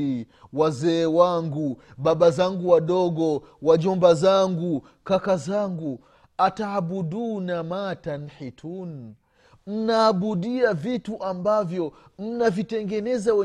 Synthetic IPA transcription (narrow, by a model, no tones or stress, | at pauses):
i | wazɛːwaŋɡuɓaɓazaŋɡuwaɗɔɡɔ | waʄɔmbazaŋɡu | kakazaŋɡu | ataːɓuɗunamatanħitʰun | m̩naːɓuɗiavituʔambavjɔm̩navitɛŋɡɛnɛzawɛ